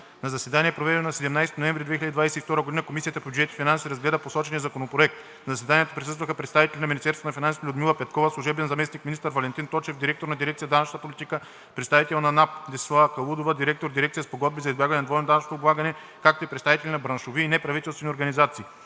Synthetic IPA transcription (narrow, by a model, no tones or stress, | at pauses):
nɐzɐsɛd̪aniɛpɾovɛd̪ɛnonɐsɛd̪ɛmnajst̪inoɛ̃ɱvɾid̪vɛxiləd̪id̪vajsɛift̪ɔɾəɡod̪inəkomisiət̪əpobʲjud͡ʒɛt̪i̥finansiːɾɐzɡlɛd̪əposɔt͡ʃɛnijəzɐkonopɾoɛk̚t̪ | nzɐsɛd̪aniɛt̪o̥pɾisɤst̪vəxəpɾɛt̪st̪avit̪ɛlʲinɐminist̪ɛɾsot̪nfinanslʲud̪milˠɐpɛt̪kɔvəslˠuʒɛbɛnzɐmɛsnikminist̪əɾvɐlɛnt̪int̪ɔt͡ʃɛfd̪iɾɛk̚t̪oɾnɐd̪iɾɛkt̪sjəd̪anɐt͡ʃʃnət̪əpolʲit̪ikə | pɾɛt̪st̪avit̪ɛlˠnɐnap̚d̪ɛslˠakɐlˠud̪ovəd̪iɾɛk̚t̪oɾd̪iɾɛk̚t̪sʲijəspoɡɔd̪̚bizɐizbjaɡvɐnɛnd̪vɔjnd̪anɐt͡ʃʃnə̥t̪oːblˠaɡənɛ | kak̚t̪oipɾɛt̪st̪avit̪ɛlʲinɐbɾɐnʃoviːnɛpɾɐvit̪ɛlˠst̪vɛnioɾɡɐnizat̪siː